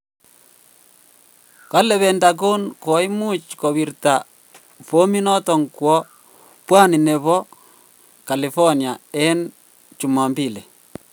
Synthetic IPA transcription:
ka˦lɛ˨βɛ˨nda˨ko˦nko˨i˦mu˦t͡ʃko˨βi˨ɾta˨ | fo˦mi˦nɔ˦t̪ɔ˨ŋkwɔ˦ | pwa˦ni˨ne˨βɔ˦ | ka˨li˨fɔ˦nia˨e˦n | t͡ʃu˨ma˨mbi˦˨le˨

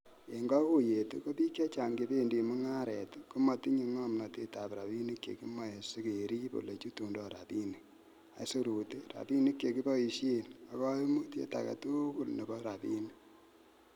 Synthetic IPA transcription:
e˨ŋɡɔ˦ku˦˨je˨tu˦ko˦pi˦kja˦t͡ʃa˨ŋɡe˨be˦ndi˨mu˦ŋa˦ɾɛ˨tku˦ma˨ti˦ɲi˦ŋɔ˦mna˨te˦ta˨pɾa˨bi˦ni˦kjḛ˨ki˦ma˦˨e˨si˦ke˨ɾi˦po̰˨le˨t͡ʃu˦tu˨ndɔ˨ɾa̰˨pi˦ni˨ | a̰˨˦so˦ɾu˨te˦ɾa̰˨bi˦ni˦kːe˨ki˦bɔ˦i˨ʃe˦na˨kɔ˦mu˦tjḛ˦ta̰˨ka̰˨tu˦ku˦lne˨bɔ˦ɾa˨pḭ˦ni˦

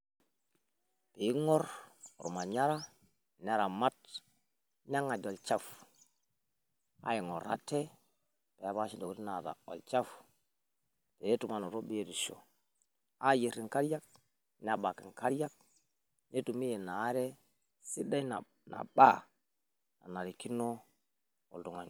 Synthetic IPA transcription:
pe˨i˦ŋo˦ɾ̰ɾu˨ma˨ɲa˦ɾa˦ | na˦ɾa˨ma˦t̚ | ɲa˦ŋa˨d͡ʒo˨lt͡ʃa˦f | a̰˦je˨ŋo̰˨ɾa̰˦te˦ | pe˨a˦βa˦ʃi˦ndo˨kɾi˦na˨ta̰˨o̰˨lt͡ʃa˦f | te˨ne˦tu˨ma˦˨no˨ɾo˦bi˦je˦ɾi˨ʃo̰˨ | a˦˨ji˨ɾi˨ŋka˦ɾja˦k̚ | n˦a˨ba˨ki˨ŋka˦ɾa˦k̚ | ne˦tu˨mi˦je˨na˨˦ɾe˦ | si˦da˦i˦na˨ | na̰˨ba˦ | na̰˨na˨ɾi˨ki˦no˦ | o̰˨ldu˨ŋa˨

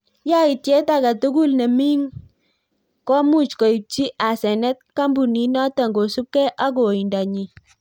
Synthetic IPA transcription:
ja˦i˨tje˦ta˨ka˨tu˦ɡu˦˨lne˨mi˦ŋ | kɔ˦mu˦˨t͡ʃkɔ˨i˨p̚t͡ʃi˦ʔa˨sɛ˨nɛ˦t̚ka˦mbu˨ni˨˦na˦ta˨ŋɡo˨su˦p̚kɛ˦ʔa˦ɡo˨i˨nda˨ɲi˨

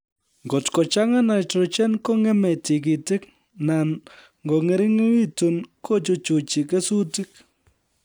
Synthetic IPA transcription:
ŋɡo˨tko˨t͡ʃa˦ŋa˦na˨tɾɔ˨t͡ʃɛ˦nko˦ŋɛ˦mɛ˨ti˨k̬i˨tɪ˦k | na˨n | ŋɡo˨ŋɛ˨˦ɾɪ˦ŋe˦wi˦tu˨nkʰo˦˨t͡ʃo˦t͡ʃu˨t͡ʃi˨kɛ˦su˦ti˦k

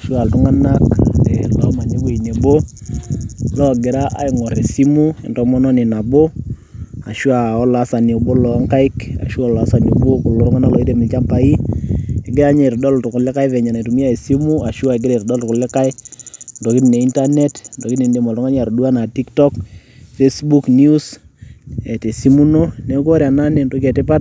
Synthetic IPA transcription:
a˨ʃu˦a˨ltʊ˦ŋa˦na˦ka̰˨de˨la˨˦ma˨ne˦ɡe˦˨i˨ne˨bo˦ | lɔ˦ɡɪ˨ɾa˦ʔa̰˨ɪ˨ŋɔ˨ɾe˨si˦mu˦ɛ̰˦ndɔ˨mɔ˦nɔ˦nɪ˨na˨bo˦ | a˨ʃu˦a˨ɔ˦la˦sa˨ni˨bo˦lɔ˨˦ŋka˦ɪ˦ka̰˨ʃu˦a˦˨la˦sa˨nu˨bo˦kʊ˨lo˨ɾʊ˦ŋa˦na˦klɔ˨i˦ɾe˨mɪ˨t͡ʃa˦mpa˨i˦e˨ɡɪ˦ɾa˦ɲe˦˨tɔ˨dɔ˦ltʊ˨kʊ˨le˦ka˦ɪ˦vɛ˨ɲa˨na˨tu˨mi˦a˦e˨si˦mu˦a˨ʃu˦a˨ɛ˨ɡ̬ɪ˦ɾe˨tɔ˨dɔ˦ltʊ˨kʊ˨lɛ˦ka˦ɪ˦ndɔ˨ki˦tne˨i˦nta˦ne˦tndɔ˨ki˦tni˨nde˨mɔ˨ltʊ˦ŋa˦na˨ɾɔ˨du˦a˦na˨ti˦ktɔ˦k | fe˦sbu˦knu˦s | ɛ˨te˨si˦mu˦no˦ne˨˦ko˦ɾja˨na˦ne˨ndo˦kɛ˨tɪ˦pa˦t̚

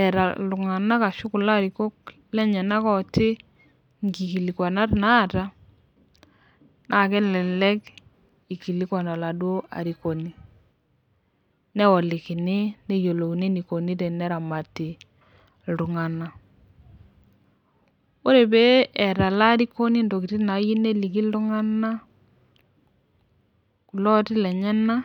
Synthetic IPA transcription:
ɛ˨ɾa̰˨ʊ˨ŋa˨na˦ka˨ʃʊ˦kʊ˨la˦˨ɾi˨ko˦k | lɛ˦ɲɛ˨na˦kɔ˦tɪ˦ | ŋ˨ɡi˨ki˨li˨kwa˨na˦tna˦˨ta˦ | nʔa˦˨kɛ˦lɛ˨lɛ˦k | i˨ki˨li˦kwa˨na˨la˨dwo˦a̰˨ɾi˨ko˨ni˦ | nɛ˦wɔ˨lɪ˨kɪ˨nɪ˦nɛ˦jo˨lo˨i˨ne˦ni˨ko˨ni˦tɛ˨nɛ˦ɾa˨ma˨ti˨ | ldu˨ŋa˨na˨ | o˦ɾe˨be˦ɛ˨ɾa˨la˦ɾi˦ko˦ni˦ndo˨ki˨ti˦na˨˦ji˦ne˦li˨ki˦lʊ˦ŋa˦na˦ | ku˨lɔ˦tɪ˦lɛ˨ɲɛ˦na˦

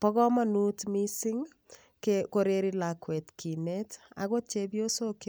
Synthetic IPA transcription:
pɔ˦ɣɔ˦manutmisi˦ŋ | kekoɾeɾi˦lakwɛ˨tkʰi˨neta̰˨ɣo˦t͡ʃebjo˦so˦k

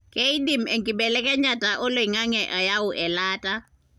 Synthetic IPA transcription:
kʼɛi˦di˨m̩ɛ˨ŋkʼibɛlɛ˦kʼɛ˦ɲa˨tʼa˨ʔʊ˦lo˨iŋa˦ŋɛʔɔ˨ja˦ʊ˨ʔɛ˨laːtʼa

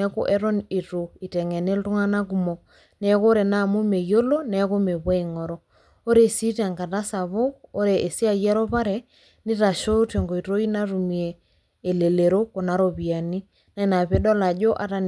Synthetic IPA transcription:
ɛ˦ko̰˦ʔɛ˦ɾɔ˦ne˨to˨i˨tɛ˨ŋɛ˨ne˦ltu˦ŋa˦na˦ku˨mɔ˨k | nɛ˦ko˦ɾe˨na˦˨mu˦me˨jo˦lo˦nɛ˨˦ko˦me˨βwa˦i˨ŋɔ˨ɾɔ˦ | o˦ɾe˨si˦ta˨ŋka˨ta˦sa˨βo˦o˦ɾe˨e˨si˦a˦˨jɛ˦ɾɔ˦pa˦ɾɛ˨ | nɪ˦ta˨ʃo˦te˨ŋɡo˨i˨ɾo˦i˦na˦ɾu˨mi˨eː˨ | le˨le˨ɾo˦ko˨na˦ɾo˦βi˨a˨ni˦ | na˦i˦na˨pe˦dɔ˦la˨d͡ʒo˦ʔa˨ta˦n

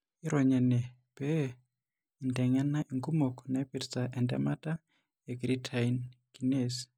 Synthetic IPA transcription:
i˦ɾɔ˨ɲɛ˨nɛ˨ | b̥ɛ˦˨ | ndɛ˨ŋa˦na˦ʔi˨ŋɡu˦mo˨kɔna˨i˦pi˨ɾit͡sa˨ʔɛ˨ndɛ̰˦ma˦ta˦ | e˨ɡɾi˦tʰainki˨nes

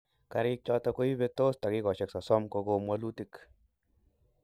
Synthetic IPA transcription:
ka˨ɾɪ˦k̚t͡ʃɔ˦tɔ˧ko˦i˦be˦t̪o˦sta˨kɪ˦ɡɔ˨ʃɛ˨ksɔ˨sɔ˦mko˧ɡo˦mwa˦lu˦ti˨k

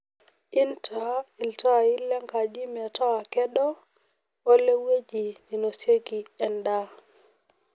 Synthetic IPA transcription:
ʔi˦ntʰai˨lta˦˨ji˦lːɛ˦ŋka˨d͡ʒi˦mɛ˨ta˦a˨kɛ˦ɗɔ˦ | ɔ˦lːe˦we˦d͡ʒi˨ni˨nɔ˨se˦ɡi˨ɛ˨nda˦

